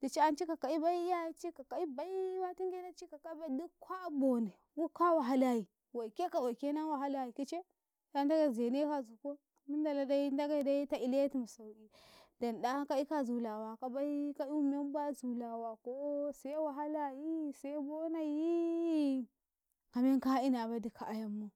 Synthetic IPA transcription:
d̥i˨t͡ʃi˦a˦nt͡ʃi˦ka˨ka˨i˦ba˦i˦a˦i˦t͡ʃi˦ka˨ka˨i˦ba˨i˦wa˦ti˦ŋɡe˦na˦t͡ʃi˦ka˨ka˦ba˦i˦du˦kʰʷa˦bo˨na˨ | wu˦ka˦wa˨ɦa˦la˨ji˨ | wa˨i˨ke˦ka˨wa˨ke˦na˦wa˨ɦa˦la˨ji˨ki˦t͡ʃe˦ | da˦n˦da˦ɡa˨ze˨ne˦ka˨zu˨ko˦ | mi˦nda˨la˨da˦i˦nda˦ɡa˦˨da˦i˦ta˦i˦le˦ti˦˨m˨sa˨wi˨ | da˨nda˦ka˦i˦ka˦zu˨la˨wa˨ka˨ba˦i˦ka˦i˦u˦me˦m˦bʷa˦zu˨la˨wa˨ko˦sa˦wa˨ɦa˦la˦ji˦˨sa˦bo˦na˨ji˦ | ka˨me˦ŋka˦i˦na˨ba˦di˦kʰa˨ʔa˨ja˦mːo˦

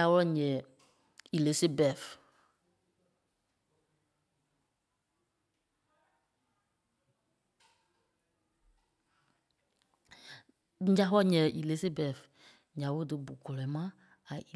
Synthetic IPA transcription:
a˦wɔ˦lɔ˦ɲɛ̃˨ | i˨li˨˦se˦bɛ˨f | ɲ̩˦d͡ʒa˦wɔ˦ɔ˦ɲɛ̃˨ʔi˨le˦se˦bɛ˨f | ɲã˨wo˦dɨ˧bu˨kɔ˨lɔ˨˦mã˦ | a˨i˨

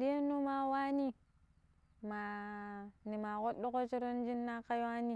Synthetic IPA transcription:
ɾi˦e˦nːu˦ma˦wa˦ni˦ | ma˨ | ni˨ma˨ko˦do˦ko˦t͡ʃi˦ɾo˦n˦d͡ʒi˦nːa˦ka˦jwa˦ni˦

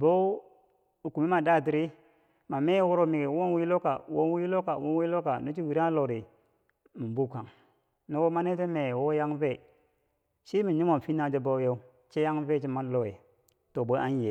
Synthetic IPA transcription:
bo˦ | u˨ku˨mi˦ma˨da˦˨t̬i˨ɾi˦ | ma˨me˦wo˦ɾo˦mi˨ɡe˨wo˦n˦wi˦lo˦ka˨wo˦wi˦lo˦ka˨wo˦wi˦lo˦ka˨no˦t͡ʃi˦wi˨ɾa˦lo˨ɾi˨ | mi˨bu˦˨ka˨ŋ | no˦wo˦ma˦ne˦te˦me˨wo˦ja˦ŋve˦˨ | ʃi˦mi˨ɲi˦mo˨fi˦na˦d͡ʒe˦bo˦jo˦ | t͡ʃe˦ja˦ŋve˦˨t͡ʃi˦ma˦lo˦we˨ | to˨bo˦a˦n˦je˨

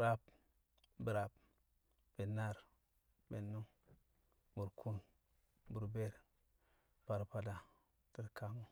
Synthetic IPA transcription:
ɾa˦b̚ | bə˨ɾa˨b̚ | b̥e˨na˦˨ɾ | be˨nːu˦ | bu˨ɾkʰu˦n | bu˨ɾbe˦ɾ | pa˨ɾpa˨da˨ | tə˨ɾka˨ŋu˦

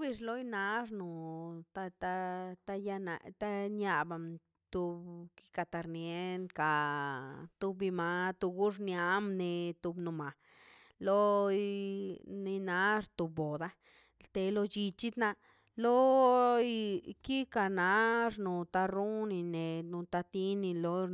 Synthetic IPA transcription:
bi˧ʐlo˦jna˧˦ʐnu˨t̪a˧t̪a˦t̪a˧ja˧na̰˧t̪a˦nja˧ba˨m | t̪u˧bki̥˦ka˧˨t̪a˧ɾnje˧˦nka˨ | t̪u˧bi˧ma˧t̪u˧ɡu˦ʐnja˧˦mne˧t̪u˧bnu˨ma˨ | lo˦ | ne˧na˦ɾt̪u˨bo˨d̪a˦ | lt̪e˧lo˧t͡ʃi˧t͡ʃi˦d̪na˧ | lo˦ | ki˦ka˧na˨˦ɾnu˨t̪a˧ɾu˦ni˧ne˨nu˧t̪a˧t̪i˦ni˧lo˧˦

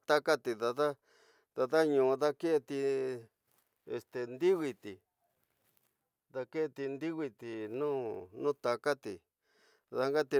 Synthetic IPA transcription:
t̪a˦ka˦t̪i˨ða˧ða˦ | ða˧ða˦ɲũː˨˧ða˦ke˦ʔe˧t̪i˧ | ḛ˨st̪e˨nd̪i˦ɣi˧t̪i˨ | ða˧ke˦ʔt̪i˧nd̪i˦ɣi˧t̪i˨nũː˦nũ˦t̪a˧ka˦t̪i˨ | ða˧ŋɡa˦t̪i˧

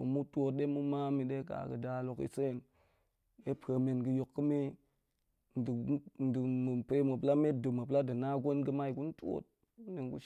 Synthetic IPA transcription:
o̰˨mu˦tʷo˦t̚ɗe˦mu˦ma˦mi˨ɗe˦ka̰˨kə̰˨da˨lo˨kḭ˨se˦˨n | e˦pʰə˨me˨nɡɨ˨jo˨kːɨ˦me˦ | n˨dn˨dɨ˨mɨ˨pe˦mə˨pla˦me˦t̚dɨ˨mə˨pla˦dɨ˨na˦ɡo˦nɡə˦ma˦i˨ku˦n˦to̰˦t̚ | ne˨nkṵ˦

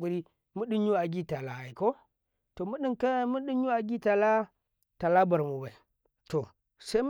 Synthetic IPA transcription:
u˨ɾi˦ | mu˦ɗi˦nɲu˦a˨ɡi˦ta˨la˨ha˨i˨ko˦ | to˨mu˦ɗi˦ŋka˦mu˦ɗi˦ɲu˦a˨ɡʲi˦ta˨la˦ | ta˨la˦ba˨ɾmu˨ba˨i˨ | to˨ | sa˦i˦m˦

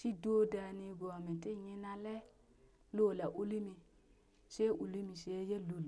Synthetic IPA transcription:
ʃi˦do˦da˨ni˨ɡo˨a˨mi˨ti˦˨ɲi˦na˦lɛ˦ | lo˦˨la˨ʔu˦li˦mi˨ | ʃe˦ʔu˨li˦mi˨ʃe˨˦je˦lu˨l

